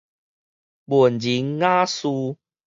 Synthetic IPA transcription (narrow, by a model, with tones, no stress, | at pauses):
bu˨˩ənd͡ʑi˨˦ŋːã˦su˧